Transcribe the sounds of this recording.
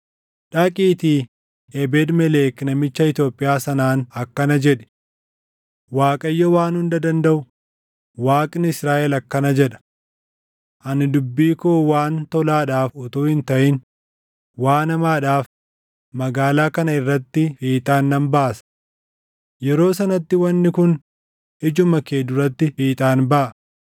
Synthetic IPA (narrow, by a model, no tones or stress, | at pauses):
ᶑɐkʼiːt̪iː | ɛbeːd̪mɛleːknɐmɪt͡ʃːɐɪt̪jo̞ːpʼːɪjaːsɐnaːnɐkːɐnɐd͡ʒɛᶑɛ̥ | waːkʼɐjːɐwaːnhʊnd̪ɐd̪ɐnd̪ɐʔʊ | waːkʼnɪɪsɾaːʔɛlɐkːɐnɐd͡ʒɛᶑɐ̥ | ʔɐnɪd̪ʊbːiːkoːwaːnt̪ɔlaːᶑaːfɔt̪oːhɪnt̪ɐʔɪn | waːnɐmaːᶑaːf | mɐɡaːlaːkɐnɐɪrːɐt̪ːɪfiːt̪ʼaːnːɐmbɐʔːsɐ̥ | jɛɾo̞ːsɐnɐt̪ːɪwɐnːɪkʊn | ɪd͡ʒʊmɐkeːd̪ʊɾɐt̪ːɪfiːt̪ʼaːnbɐʔɐ